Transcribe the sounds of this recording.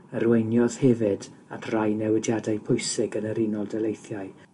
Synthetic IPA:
ərwejnjɔð̥hɛvɪda̰tʰrajnɛwɪdjadajpʰʊjsɪɡənəɾinɔlˠdɛlejθjaɨ

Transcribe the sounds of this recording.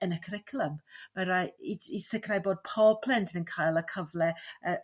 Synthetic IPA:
ənəkʰəɾɪkʰlˠəmmaɾajiisɪkʰrajboːd̚pʰɔpʰl̥ˠɛntʰənənkʰajlˠəkʰəvlɛə

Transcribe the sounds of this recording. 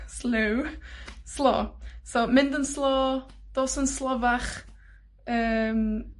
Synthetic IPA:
slowslˠɔ̰ːsomɪndənslɔː | d̥oːsənslɔːvaχ | əːm

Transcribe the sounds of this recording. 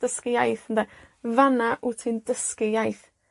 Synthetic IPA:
d̥əskɪjajθənd̪avanaʔʊtʰɪndəskɪjajθ

